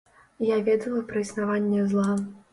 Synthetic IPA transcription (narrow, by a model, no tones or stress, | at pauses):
javʲɛd̪ɐlˠɐpɾɐisnavanʲːɛzlˠa